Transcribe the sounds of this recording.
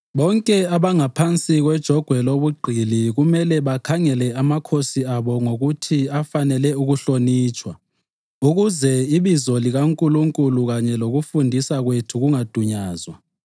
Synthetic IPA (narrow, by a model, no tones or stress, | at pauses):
βɔŋkʼɛaβaŋapʰant͡sʼiɣwɛd̥ʒ̥ʱɔɡ̥ʱwɛloβuɡ͡ǃʱiliɣumɛlɛβakʰaŋɛlɛamakʰosiaβɔŋoɣutʰiafanɛlɛuɣuɬoniːt͡ʃʼwa | uɣuzɛiβizɔliɣaŋkʼuluŋkʼuluɣaɲɛloɣufundʱisaɣwetʰuɣuŋad̥ʱuɲaːzwa